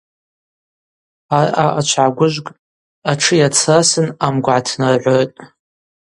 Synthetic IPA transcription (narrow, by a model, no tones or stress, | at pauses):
araʔat͡ʃʷʰʕaɡʷʊʒʷɡʼ | aʈ͡ʂʰɨjat͡sʰasɨnamɡʷʕatʰnarʕʷojtʼ